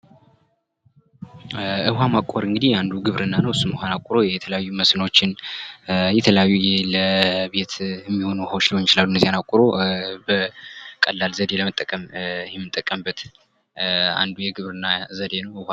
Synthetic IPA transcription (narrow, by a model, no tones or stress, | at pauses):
ɨɦamakʼoɾɨŋɡɨd̪ihjand̪uɡɨβɾɨnːanəwsumɨhʷanakʷʼʊɾo̞jɛt̪ʰələjajːuməsnwot͡ʃːɪn | jɛt̪ʰələjajːujɛləbe̞t̪ɛmːiho̞nuwhawt͡ʃliwonːt͡ʃɪlalːund̪əzijanakʼʊɾo̞bəkʼəlːalzəd̪e̞ləmət̪ʼːəkʼəmɪhɛmːɨt̪ʼːəkʼəmbət̪ | a̰nd̪ujɛɡɨβɾɨnːazəd̪e̞nəwʔɨha